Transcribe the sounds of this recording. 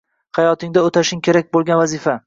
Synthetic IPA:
hajɒt̪ʰɪŋd̪aot̪ʰaʃɪŋkʲe̞ɾak̚ʲbolˠɡʲanvazɪfa

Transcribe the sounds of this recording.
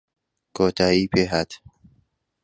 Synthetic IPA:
koːt̪ʰaːiːpeɦat̪

